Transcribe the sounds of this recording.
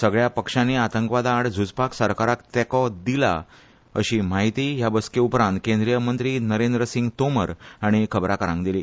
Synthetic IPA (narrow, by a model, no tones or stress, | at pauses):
səɡɭjapəkʂãneat̪ə̃ŋkʋad̪aːɽd͡zʱud͡zpaksəɾkaɾakt̪ɛkɔd̪ila̰ | əɕiːmaɦit̪iːjabəskeupɾãnt̪̚kẽnd̪ɾijəmənt̪ɾiːnəɾẽnd̪ɾəsĩŋɡt̪oməɾaɽ̃ikʰəbɾakəɾãŋkd̪iliː